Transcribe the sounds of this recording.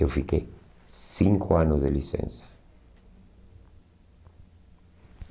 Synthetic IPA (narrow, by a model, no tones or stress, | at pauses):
ovik̬ʼɛ | siŋkʼwanɔzɛlisɛ̰ːnsḁ